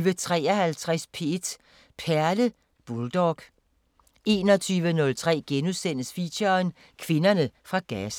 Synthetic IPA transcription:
ʋət͡sʰʁɛ̰ːɒhælt͡sʰʁaspʰe̝ed̥ | pʰæɐlə | b̥uld̥ɒɡ̥ | e̝ːnɒt͡sʰyːʋənɔ̽lt͡sʰʁɛ̰ːɡ̥enusen̰əsfiɕɐn | kʰʋe̝nɐnəfʁɑ̈ɡ̥æs

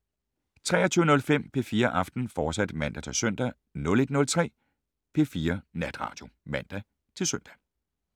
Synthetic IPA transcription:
t͡sʰʁɛ̰ːɐt͡sʰyːʊənɔ̽lfem̰pʰe̝fiːɐʔɑ̈fd̥n̩fɒ̥ːsæd̥mæn̰d̥æt͡sʰe̝lsøn̰d̥æ | nɔ̽le̝d̥nɔ̽lt͡sʰʁɛ̰ː | pʰe̝fiːɐnæd̥ʁɑ̰̈ːd̥jo̝mæn̰d̥æ | t͡sʰe̝lsøn̰d̥æ

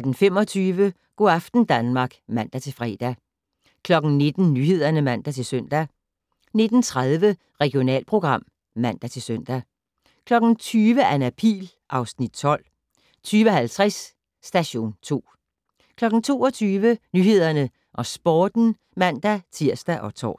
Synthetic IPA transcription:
æd̥n̩fem̰ɒ̽t͡sʰyːʋə | ɡ̥oæfd̥n̩d̥ænmɑ̈ːɡ̥mæn̰d̥æt͡sʰe̝lfʁɛ̰ːd̥æ | kʰlɒ̽ɡ̥n̩ne̝d̥n̩nyːhe̝ð̞̰ˠɐnəmæn̰d̥æt͡sʰe̝lsœn̰d̥æ | ne̝d̥n̩t͡sʰʁað̞ˠʋə | ʁɛɡ̥io̝nɛ̰ːlpʰʁo̝ɡ̥ʁɑ̈m̰ | mæn̰d̥æt͡sʰe̝lsøn̰d̥æ | kʰlɒ̽ɡ̥n̩t͡sʰyːʋəænæpʰḭːl | ʔɑ̈ʊsnid̥̚t͡sʰɒ̽l̰ | t͡sʰyːʋɒɦælt͡sʰʁɛsː | d̥æɕo̝̰ːnt͡sʰo̝̰ː | kʰlɒ̽ɡ̥n̩t͡sʰo̝ːɒt͡sʰyːʋənyːhe̝ð̞̰ˠɐnə | ʔɒ̽sb̥ɒːd̥n̩ | mæn̰d̥æt͡sʰiɐ̰sd̥æʔɒ̽t͡sʰɒ̰ː

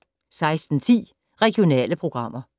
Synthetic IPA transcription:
sɑ̈ɪsd̥n̩t͡sʰḭː | ʁɛɡ̥jo̝nɛ̰ːləpʰʁo̝ɡ̥ʁɑ̈m̰ɐ

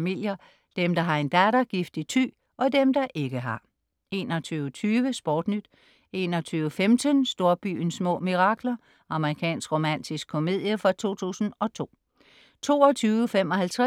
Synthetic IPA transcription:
mil̰jɐ | d̥emd̥ɑ̈ɦɑ̈e̝nd̥ædɐɡ̥ifd̥it͡sʰy̰ː | ʔɒ̽d̥emd̥ɑ̈ʔe̝ɡ̥əɦɑ̈ | e̝̰ːnɒ̽t͡sʰyːʊt͡sʰyːʋəsb̥ɒ̰ːd̥nyd̥ | e̝̰ːnɒ̽t͡sʰyːʊəfemd̥ʰənsd̥o̝ɐb̥y̰ːnsmɔ̰̽ːmiʁɑ̈ɡ̥lɐ | ʔɑ̈məʁikʰɛ̰ːnsɡ̥ʁo̝mæn̰d̥isɡ̥̚ʰo̝me̝ð̞̰ˠjəfɒt͡sʰo̝̰ːt͡sʰṵːsn̩ɒ̽t͡sʰo̝̰ː | t͡sʰo̝̰ːɒt͡sʰyːʊəfem̰ɒ̽ɦælt͡sʰʁ

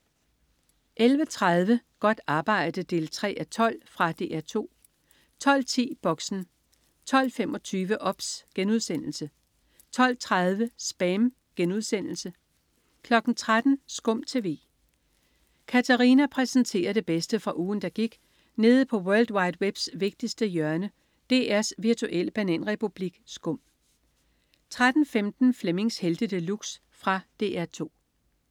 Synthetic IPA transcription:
ʔelʋət͡sʰʁað̞ˠʋəɡ̥ɒ̽d̥ɑ̈ːb̥ɑ̈ɪ̰d̥əd̥e̝lt͡sʰʁɛ̰ːʔæt͡sʰɒ̽l̰fʁɑ̈d̥e̝̰ːʔæɐt͡sʰo̝̰ː | t͡sʰɒ̽l̰t͡sʰḭːb̥ɒ̽ɡ̥sn̩ | t͡sʰɒ̽l̰femɒ̽t͡sʰyːʋəʔɒ̽b̥sɡ̥enuð̞ˠsen̰l̩sə | t͡sʰɒ̽l̰t͡sʰʁað̞ˠʋəsb̥æm | ɡ̥enuð̞ˠsen̰l̩sə | kʰlɒ̽ɡ̥n̩t͡sʰʁad̥n̩sɡ̥ɔ̽m̰t͡sʰe̝ʋe̝̰ː | kʰæt͡sʰæʁinæpʰʁɛsn̩t͡sʰe̝̰ːɐðˠd̥e̝b̥esd̥əfʁɑ̈ʔuːn̩d̥ɑ̈ɡ̥iɡ̥ | ne̝ːð̩ˠpʰɒ̽wœɐld̥wɑ̈ɪd̥web̥sʋe̝ɡ̥̚d̥isd̥əjœɐnə | d̥e̝ːæɐsʋiɐt͡sʰuʔel̰əb̥ænḛnʁɛpʰub̥liɡ̥sɡ̥ɔ̽m̰ | t͡sʰʁad̥n̩femd̥n̩fleme̝ŋsheld̥əd̥əluɡ̥s | fʁɑ̈d̥e̝ːæɐt͡sʰo̝̰ː

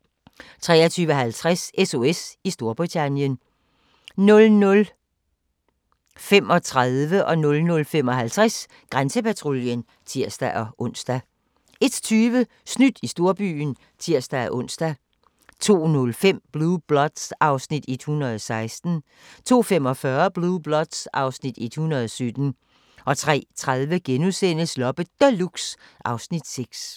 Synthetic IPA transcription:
t͡sʰʁɛ̰ːɐt͡sʰyːʋəɦælt͡sʰʁaseso̝esisd̥o̝ɐb̥ʁit͡sʰænjən | nɔ̽lnɔ̽l | fem̰ɒ̽t͡sʰʁaðˠʋəʔɒ̽nɔ̽lnɔ̽lfem̰ɒ̽ɦælt͡sʰʁas | ɡ̥ʁansəpæt͡sʰʁo̝ljən | t͡sʰiɐsd̥æʔɒ̽ʔɔ̽n̰sd̥æ | e̝d̥t͡sʰyːʋə | snyd̥isd̥o̝ɐb̥y̰ːn | t͡sʰiɐ̰sd̥ææʔɔ̽n̰sd̥æ | t͡sʰo̝̰ːnɔlfem̰b̥lub̥lɒ̽d̥sɑ̈ʊsnid̥e̝d̥hunɐð̞ˠɒsɑ̈ɪsd̥n̩ | t͡sʰo̝̰ːfem̰ɒ̽fɶɐb̥lub̥lɒ̽d̥sʔɑ̈ʊsnid̥e̝d̥hunɐð̞ˠɒ̽sød̥n̩ | ʔɒ̽t͡sʰʁɛ̰ːt͡sʰʁaðˠʋəɡ̥enusen̰əslɒ̽b̥əd̥æluɡ̥sʔɑ̈ʊsnid̥seɡ̥s

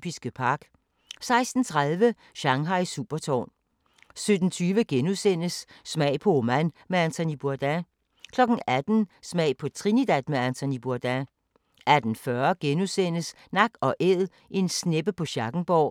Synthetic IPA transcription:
b̥isɡ̥əpʰɑ̈ɡ̥ | sɑ̈ɪsd̥n̩t͡sʰʁaðˠʋə | ɕɑ̈ŋɦɑ̈ɪsuːb̥ɐt͡sʰɒ̰ːn | sød̥n̩t͡sʰyːʋəɡ̥enusen̰əsːmɛ̰ɪ̰pʰɒ̽omæn̰meænt͡sʰonib̥uɐd̥æ | kʰlɒ̽ɡ̥n̩æd̥n̩smɛ̰ɪ̰pʰɒ̽t͡sʰʁinid̥æd̥meænt͡sʰonib̥uɐd̥æ | æd̥n̩fɶɐɡ̥enusen̰əs | nɑ̈ɡ̥ɒ̽ʔeð̰ˠ | ʔe̝nsneb̥əpʰɒ̽ɕɑ̈ɡ̥n̩b̥ɒː

